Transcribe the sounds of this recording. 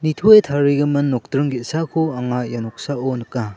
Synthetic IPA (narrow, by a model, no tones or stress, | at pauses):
nitʰoetʰaɾiɡɐmɐnːɔk̚tɾɯŋɡit̚sakʰuaŋajanɔk̚saɔnɯka